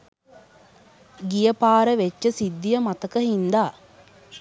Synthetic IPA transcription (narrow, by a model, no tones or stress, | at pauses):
ɡijəpaːɾəʋet͡ʃːəsid̪ːijəmat̪əkəɦind̪aː